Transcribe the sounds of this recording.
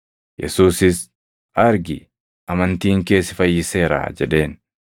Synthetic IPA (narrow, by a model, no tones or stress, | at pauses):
jɛ̰suːsɪs | ʔɐɾɡɪ | ʔɐmɐnt̪iːŋke̞ːsɪfɐjːɪse̞ːɾa̰d͡ʒɛᶑe̞ːn